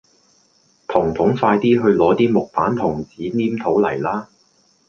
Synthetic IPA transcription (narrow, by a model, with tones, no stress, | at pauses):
t̪ʰʊ˨˩ŋt̪ʰʊ˨˥ŋfaː˧jt̪iː˥ɦɵ˧ɥlɔː˨˥t̪iː˥mʊ˨k̚paː˨˥nt̪ʰʊ˨˩ŋt͡siː˨˥niː˥mt̪ʰo˨˥wlɐ̰˨˩jlaː˥